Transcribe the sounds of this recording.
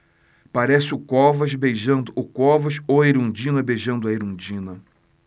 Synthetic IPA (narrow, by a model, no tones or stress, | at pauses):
paɾɛsɪʊkɔvɐʃbejʒɐ̃nd̪ʊʊkɔvɐʃoɐeɾũd͡ʒĩnɐbejʒɐ̃nd̪ʊɐeɾũd͡ʒĩnɐ